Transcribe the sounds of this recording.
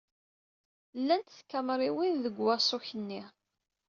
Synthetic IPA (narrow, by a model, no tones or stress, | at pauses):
lːænt̪θkːæmɾˤiwinðəɡwæsˤoçənːi